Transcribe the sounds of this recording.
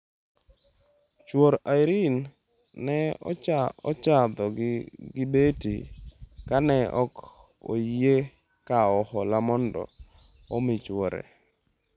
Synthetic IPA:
t͡ʃwoɾaɪɾin | nɛɔ̰ɔt͡ʃad̪ɔɡɡɪbetikanɛʔɔk | o̰je | kaɔhɔlamɔndɔ̰ | ɔmɪt͡ʃwoɾḛ

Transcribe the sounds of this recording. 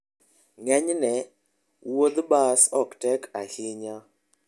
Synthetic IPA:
ŋɛɲnɛ | wod̪basɔktɛkʰahɪɲa

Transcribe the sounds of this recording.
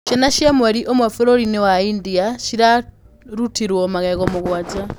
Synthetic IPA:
ʃenaʃjemweɾiʔomwefiɾoɾinewaindiaʃiɾa | ɾutʰiɾwomakakomukuwad͡za

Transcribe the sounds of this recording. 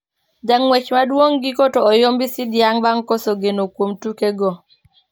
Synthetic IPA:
d͡ʒaŋwɛt͡ʃmadwoŋɡikotoːjɔmbɪsɪdjaŋbaŋkosoɡenokwomtukeɡɔ

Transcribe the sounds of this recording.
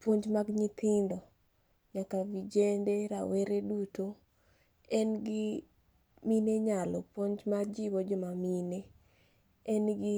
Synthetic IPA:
pwoɲd͡ʒmaɡɲɪt̪ʰɪndɔ | ɲakavid͡ʒendeɾaweɾeduto | ɛnɡɪ | mineɲalɔpwoɲd͡ʒmad͡ʒibɔd͡ʒɔmamine | ɛnɡɪ

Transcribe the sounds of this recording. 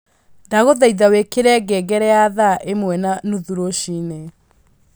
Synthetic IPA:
ndaɣoðaiðawekeɾɛɡɛɡɛɾɛaðaʔemwɛnanuðuɾoʃine

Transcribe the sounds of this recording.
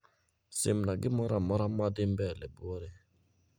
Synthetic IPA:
semnaɡɪmɔɾamɔɾamadɪm̩bɛlɛbuɔɾɛ

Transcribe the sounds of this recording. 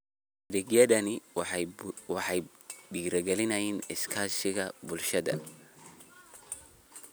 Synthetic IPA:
dɪɡjɐðɐnɪ | wɑħɑj | ɖiːɾɐɡɛlɪnɐjiːnɪskʰaːsɪɣɐbʊlʃɐðɐ̰

